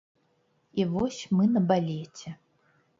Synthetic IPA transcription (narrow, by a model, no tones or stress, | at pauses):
ivɔsʲmɨnɐbalʲet͡sʲɛ